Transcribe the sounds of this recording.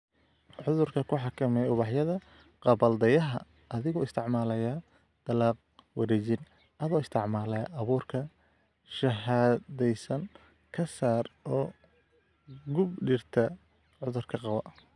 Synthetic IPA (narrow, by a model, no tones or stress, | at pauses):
ʕʊðʊrkʰɐkʰʊħɑkʰɐmɛjʊβɑħjɐðɐ | qɑβɐld̪ɐjɐɦɐ̰ | ʔɐðɪɣɔːɪst̪ʰɪʕmaːlɐjaː | d̪̥ɐlɑːq̚wɐɾɛːt͡ʃɪn | ʔɐðɔːɪst̪ʰɪʕmaːlɐʔɐβuːrkʰɐ | ʃɐɦaːðɛjsɐn | kʰɐsaːrɔː | ɡʊbɖɪrt̪ʰɐ | ʕʊðʊrkʰɐqɑwɐ